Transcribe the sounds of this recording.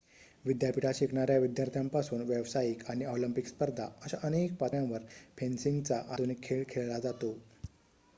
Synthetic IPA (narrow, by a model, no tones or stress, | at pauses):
ʋid̪japiʈaɕikɳaɾjaʋid̪jaɾt̪ʰjãmpasuːnʋəʋsajikaɽ̃iolimpikspəɾd̪ʱa̰əɕaʔənek̚pat̪jãʋəɾpʰensiŋɡt͡saʔad̪ʱunikʰːeɭkʰːeɭlad͡zat̪o